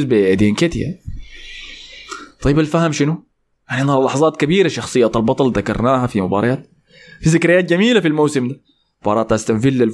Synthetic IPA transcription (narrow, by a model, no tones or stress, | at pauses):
zbiʔd̪ianket̪ja̰ | t̪ˤɑjːɪbalfahamʃɪnu | jaʕniʔnɑlˤlɑħɑzˤɑːt̪kabiːɾaʃɑxsˤɨjːat̪albɑt̪ˤɑlðakɑ̰ɾˤnaːhafimʊbɑ̰ɾˤɑjaːt̪̚ | fizɪkɾijːaːt̪̚ɡamiːlafilmowsɪmd̪a | bɑːɾˤɑːt̪ʔast̪amfilːal